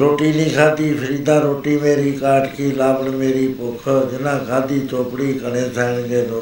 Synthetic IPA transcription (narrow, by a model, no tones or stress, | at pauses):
ɾoʈinisaːt̪ipʰəɾid̪aɾoːʈimeɾikaːʈʰkilaʋəɳmeɾipoːkʰəd͡ʒenãkad̪it͡ʃopɽikəɽẽsʰajɳd͡ʒeɾo